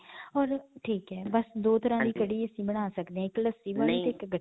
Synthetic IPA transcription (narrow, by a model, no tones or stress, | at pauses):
ɔːɾʈʰiːkɦɛːbəsd̪oːt̪əɾãːd̪iːkəɽiːəsĩːbəɽ̃aːsəkd̪ẽɛ̃ːɪkləsiːbə̃ːt̪eɪkɡə